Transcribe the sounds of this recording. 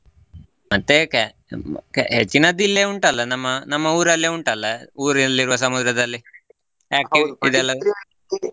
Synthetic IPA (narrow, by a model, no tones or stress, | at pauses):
mɐt̪ːek | kɦet͡ʃːinɐd̪ilːeːuɳʈɐlːɐnɐmːɐnɐmːɐuːɾɐlːeːuɳʈɐlːɐuːɾinɐlːiɾuʋɐs̬ɐmud̪ɾɐd̪ɐlːi | jaːkiḭd̪ɛlːɐ